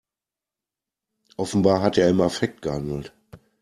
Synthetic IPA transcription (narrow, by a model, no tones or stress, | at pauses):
ʔɔfn̩baːɦateːɐɪmɐfɛk̚t̚ɡ̥əhandl̩t